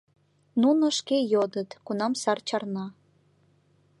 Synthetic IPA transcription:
nunoʃkejod̪ət̪kunɑmsɑrt͡ɕɑrnɑ

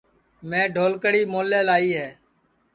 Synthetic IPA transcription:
mẽːɖʱoːlkəɽiːmoːleːlaːiːɦɛː

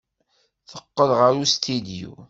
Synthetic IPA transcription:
θəqːəðʁəɾust̪id̪iṵ

